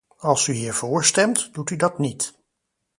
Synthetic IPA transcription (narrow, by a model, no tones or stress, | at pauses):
ɑlˠsyɦiːɹv̥ʊːɹstɛmtd̥utydɑtnit